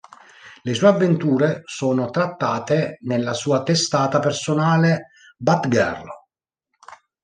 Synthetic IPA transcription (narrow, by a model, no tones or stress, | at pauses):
lesuːeavːent̪uːɾesoːnot̪ɾat̪ːaːt̪enelːasuːat̪est̪aːt̪apersonaːle | bat̪ɡɛ̰rlo